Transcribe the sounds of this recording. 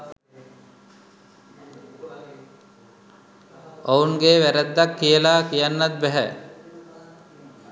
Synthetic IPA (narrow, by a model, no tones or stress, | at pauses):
ouŋɡeːʋæɾæd̪ːakːijəlaːkijanːat̪̚bæɦɛ̰